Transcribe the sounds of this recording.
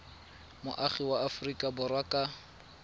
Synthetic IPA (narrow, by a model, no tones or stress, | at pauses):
mʊ̰ʔaχiwaafʊrikʼabʊrwakʼa